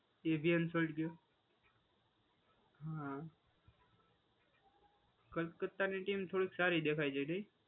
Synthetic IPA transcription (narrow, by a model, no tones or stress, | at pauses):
ebʱiənsolʈɡjoː | ɦã | kəkət̪ːaneʈiːmt̪ʰoɽiːksaɾid̪ekʰaid͡ʒainəi